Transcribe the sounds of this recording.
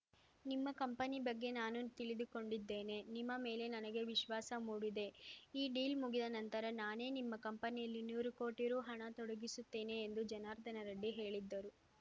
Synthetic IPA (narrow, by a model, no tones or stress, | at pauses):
nimːɐkɐmpɐnibɐɡːe̞naːnut̪iɭid̪uko̞ɳɖid̪ːe̞ːne̞nimːɐme̞ːle̞nɐnɐɡe̞ʋiʃʋaːsɐmuːɽid̪e̞iːɖiːlmuɡid̪ɐnɐnt̪ɐɾɐnaːne̞ːnimːɐkɐmpɐnijɐlːinuːɾuko̞ːʈiɾuːɦɐɳɐt̪ɔɽɐɡisut̪ːe̞ːne̞ːnd̪ud͡ʒɐnaːɾd̪ɐnɐɾɐɖːiɦe̞ːɭid̪ːɐɾu